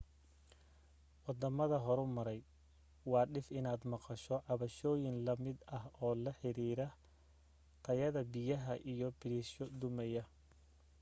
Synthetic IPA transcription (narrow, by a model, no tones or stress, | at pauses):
wɑd̪ɐmɐðɐɦɔɾʊmɐɾɛj | wɑːɖɪfɪnaːd̪mɑqɑʃɔʕɑβɐʃɔːjɪnlɐmɪd̪ɐɦɔːlɐħɪɾiːɾɐ | qʰɐjɐðɐbɪjɐɦɐʔijɔbɪɾiʃɔd̪ʊmɛjɐ